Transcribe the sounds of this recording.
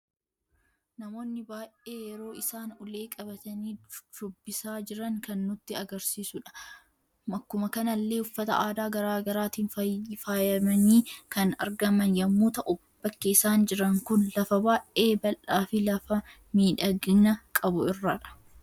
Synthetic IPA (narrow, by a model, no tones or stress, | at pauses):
nɐmo̞ːnːɪbaːʔeːjɛɾo̞ːɪsaːnʊle̞ːkʼɐbɐt̪ɐniːd̥ʊbːɪsaːd͡ʒɪɾɐŋkɐnːʊt̪ːɪɐɡɐɾsiːsʊᶑɐ̥ | mɐkːʊmɐkɐnɐlːe̞ːʊfːɐt̪ɐ̰aːd̪aːɡɐɾaːɡɐɾaːt̪iːnfɐfaːjɐmɐniːkɐnɐ̰ɾɡɐmɐnjɐmːuːt̪ɐʔʊbb̥ːɐkːɪɪsaːnd͡ʒɪɾɐŋkʊnlɐfɐbaːʔʔe̞ːbɐlʔaːfɪlɐfɐ | miːᶑɐɡɪnɐkʼɐbʊɪrːaᶑɐ̥